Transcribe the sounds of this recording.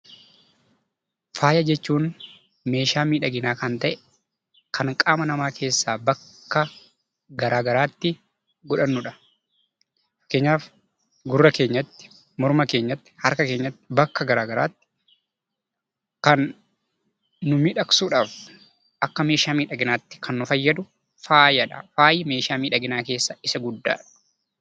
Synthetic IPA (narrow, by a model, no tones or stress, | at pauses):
faːjɐd͡ʒɛt͡ʃːuːn | me̞ːʃaːmiːᶑɐɡɪnaːkɐnt̪ɐʔɛ | kʰɐŋkʼaːmɐnɐmaːkʰe̞ːsːaːbɐkːɐ | ɡɐɾaːɡɐɾaːt̪ːɪ | ɡɔᶑɐnːʊᶑɐ̥ | kːe̞ːɲːaːf | ɡʊrːɐke̞ːɲːɐt̪ːɪ̥ | mɔɾmɐke̞ːɲːɐt̪ːɪ̥hɐɾkɐke̞ːɲːɐt̪ːɪbɐkːɐɡɐɾaːɡɐɾa̰ːt̪ːɪ̥ | kɐn | ʊmɪᶑɐksuːᶑaːf | ʔɐkːɐme̞ːʃaːmiːᶑɐɡɪnaːt̪ːɪ̥kʰɐnːʊfɐjːɐd̪ʊ | faːjɐᶑɐ̰faːjɪme̞ːʃaːmiːᶑɐɡɪnaːke̞ːsːɐɪsɐɡʊd̪ːa̰ːᶑɐ̥